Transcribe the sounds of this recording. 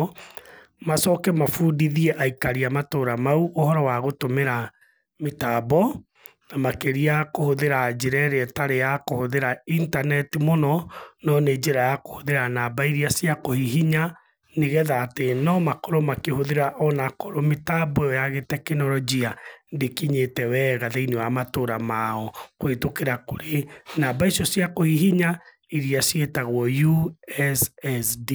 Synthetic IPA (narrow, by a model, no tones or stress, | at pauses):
masɔkɛmafuːdiðiɛʔaikaɾiamatoːɾamauʔohɔɾɔwaɣotomeɾa | metabɔ | namakeɾiakohoðeɾad͡ʒeɾɛɾeɛtaɾejakohoðeɾaintanɛtimonɔnɔned͡ʒeɾajako̥hoðeɾanabaiɾiasjakohiɦiɲa | neɣɛðaːtenɔmakoɾɔmakehoðeɾaʔɔnakoɾometabwɛɔjaɣetɛkenɔɾɔd͡ʒiandekiɲetɛwɛɣaðeinewamatoɾamaɔkwetokeɾakoɾenabaisjɔsjakohiɦiɲa | iɾiasetaɣwɔjuɛsɛsdi